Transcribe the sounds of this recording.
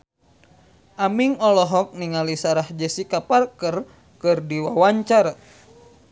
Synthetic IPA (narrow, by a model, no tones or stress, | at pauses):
ʔamiŋɔlɔɦɔk̚niŋalisaɾahd͡ʒəsikaparkər | kɨrdiwawaɲt͡ʃaɾa